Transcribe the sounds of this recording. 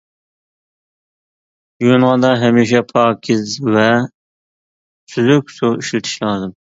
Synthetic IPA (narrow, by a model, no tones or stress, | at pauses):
jonʁɑd̪ɑɦɛmiːʃɛpʰɑːkʲʰizvɛ | sʰyzykʲsuiʃlɪt̪ʰɪ̥ʃlˠɑːzɨm